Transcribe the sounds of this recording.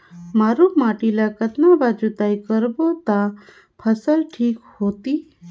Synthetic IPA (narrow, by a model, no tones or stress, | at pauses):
maɾumaʈilakət̪nabad͡ʒut̪aikəɾbot̪a | pʰəsəlʈʰiːkhot̪iː